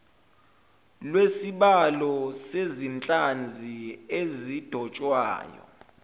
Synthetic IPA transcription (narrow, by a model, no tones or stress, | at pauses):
lwesiɓalɔsezint͡ɬʼand͡zʱiezid̥ʱɔt͡ʃʼwa̰ːjɔ̰